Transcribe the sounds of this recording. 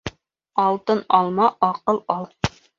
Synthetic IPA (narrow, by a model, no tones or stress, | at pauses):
ɑlˠt̪ɤnɑlˠmɑʔɑqɤlˠɑlˠ